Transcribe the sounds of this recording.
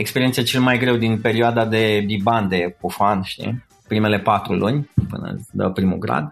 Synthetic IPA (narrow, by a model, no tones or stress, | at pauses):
ekspe̞ɾient̪set͡ʃe̞lmajɡɾe̞wd̪inpe̞ɾioad̪ad̪e̞biband̪e̞kufanʃt̪ḭ | pɾime̞le̞pat̪ɾulunʲpɨ̰nə̰ləpɾimṵɡɾa̰d̪